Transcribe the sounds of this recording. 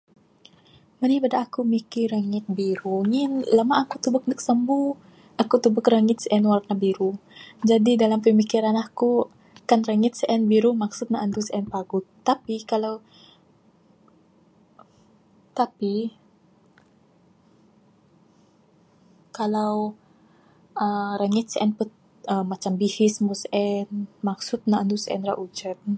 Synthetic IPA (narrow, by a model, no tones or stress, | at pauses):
mənibadaːkumikiɾaŋɪt̪̚biɾuŋɪnlamaʔːkut̪ubʊk̚nəksəmbu | akut̪ubʊkraŋɪt̪̚sʔɛnwarnabiɾud͡ʒadidalampəmikiɾanaku | kanraŋɪt̪̚səʔɛnbiɾumaksʊt̪̚naant̪usʔɛnpaɡʊt̪ːapikalaw | t̪api | kalaw | ʔəɾaŋɪt̪̚sɛnpət̪̚ | əmːat͡ʃambihɪsmusʔɛnmaksʊt̪̚naand̪usɛ̰nra̰ʔud͡ʒəp̚